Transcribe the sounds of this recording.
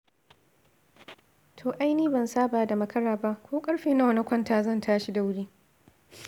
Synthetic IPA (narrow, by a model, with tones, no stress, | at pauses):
tʰoː˨ʔa˦jniː˦bɐ˨nsaː˦baː˨da˨mɐ˦kɐ˦ɽaː˨ba˦ʔkʷoː˦kʼɐ˦ɽɸeː˨na˦wɐ˨nɐ˦kʷɐ˦ntaː˨zɐ˦˨ntʰaː˦ʃi˦da˦wɽiː˦